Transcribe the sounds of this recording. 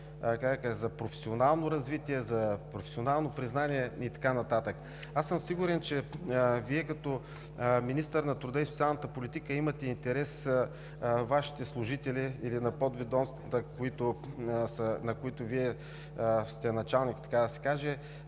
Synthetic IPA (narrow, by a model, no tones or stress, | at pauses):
kakaʒzɐpɾofɛ̥sionalˠnoɾɐzvit̪iɛzɐpɾofɛ̥sionalˠnopɾiznaniɛit̪ɐ̥kanɐt̪at̪ək | asəmsiɡuɾɛnt͡ʃɛviɛkɐt̪ɔ | minist̪əɾnɐt̪ɾud̪əisot̪sʲialˠnət̪əpolit̪ikəimɐt̪ɛint̪ɛɾɛs | vaʃi̥t̪ɛslˠʊʒit̪ɛliilinɐpɔd̪vid̪ɔnst̪vət̪əkoit̪osənɐkoit̪oviɛ | st̪ɛnɐt͡ʃalˠnikit̪ɐ̥kad̪ɐsɛ̥kaʒɛ